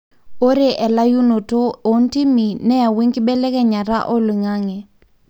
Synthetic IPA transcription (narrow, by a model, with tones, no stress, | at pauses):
o˦ɾe˨ʔɛ˨la˦ju˦no˨to˦o˨n˦ti˦mi˨nɛ˦a˨we˦ŋkɪ˦ɓɛ˦lɛ˦kɛ˦ɲa˨ɾa̰˦ʔɔ˦li˨ŋa˦ŋɛ˨